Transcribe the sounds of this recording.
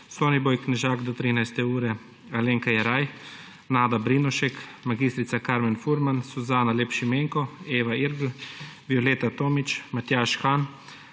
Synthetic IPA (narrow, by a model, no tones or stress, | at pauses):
soːniboːjknɛʒaːɡd̪ɔt̪ɾiːnajst̪ɛuːɾɛ | aleːŋkajɛɾaj | naːd̪abɾinɔʃɛkmaɡiːst̪ɾit̪sakaːɾmɛnfuɾmansuzaːnaleːpʃimeːŋkɔeːʋaiɾɡl̩ʋiɔleːt̪at̪oːmit͡ʃmat̪jaːʃxan